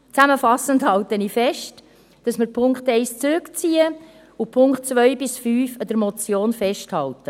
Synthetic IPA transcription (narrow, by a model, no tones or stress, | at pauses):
t͡sæməfɑsəndhɑltənifɛʃt | d̥ɑsmɪɾpʰʊŋktɛɪst͡sɾʉkt͡siːə | upʰʊŋktt͡svœʏbɪsfyːfɑd̥̪əɾmɔt͡sjoːnfɛʃthɑltə